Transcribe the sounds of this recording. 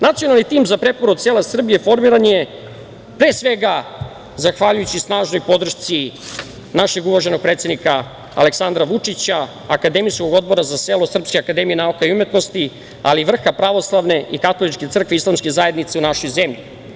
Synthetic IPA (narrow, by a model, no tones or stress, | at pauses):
nat̪sijonalnit̪iːmzapɾe̞poɾod̪selasr̩bije̞fo̞ɾmiɾanje | pɾe̞ːsʋe̞ɡa | zaxʋaʎujut͡ɕisnaːʒno̞jpo̞d̪r̩ʃt̪si | naʃe̞ɡuʋaʒe̞no̞ɡ̚pɾet̪sʲenika | a̰le̞ksand̪ɾaʋut͡ʂit͡ɕaː | kad̪emisko̞ɡo̞d̪̚bo̞ɾazaselo̞sr̩pskeakad̪e̞mijenaukaiumet̪no̞st̪i | a̰liʋr̩xapɾaʋo̞slˠaʋne̞ʔikat̪olit͡ʃke̞t̪sr̩kʋeislˠamske̞zaje̞d̪nit̪seunaʃo̞jzemʎḭ